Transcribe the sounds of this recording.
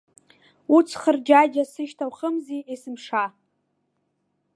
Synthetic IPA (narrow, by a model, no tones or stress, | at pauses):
ut͡sʰχərd͡ʒajd͡ʒasɨʃtʰawχəmziesɨmʂa